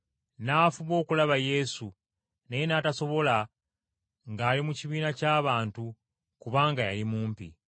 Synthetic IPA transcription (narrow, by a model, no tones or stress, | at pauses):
naːfuβo̞ːkulaβaje̞su | nejenaːtaso̞βo̞la | ŋɡaːlimuciβiːnacaːβaːntu | kuβaːŋɡajalimuːmpḭ